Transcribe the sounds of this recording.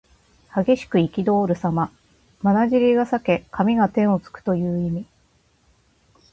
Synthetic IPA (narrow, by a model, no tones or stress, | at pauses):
haɡe̞ɕi̥kɯ̟ikʲid̪o̞ːɾɯ̟sama | manaʑiɾʲiɡasake̞kamʲiɡat̪ẽ̞ɰ̃o̞t͡sɨ̥kɯ̟̥t̪o̞jɯ̟ːimʲi